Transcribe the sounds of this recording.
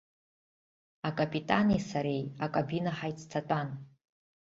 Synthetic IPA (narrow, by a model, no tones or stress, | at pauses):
akʼapʼitʼanejsaɾe̞jakʼabinaħajt͡sʰtʰatʷʼan